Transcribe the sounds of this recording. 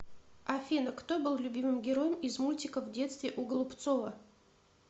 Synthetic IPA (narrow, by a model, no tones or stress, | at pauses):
ɐfʲinəkt̪obɨlˠlʲʊbʲimɨmɡʲɪɾo̞jəmɪzmulʲtʲɪkəvdʲe̞t̪st̪vʲɪʔʊɡəlˠʊpt̪so̞və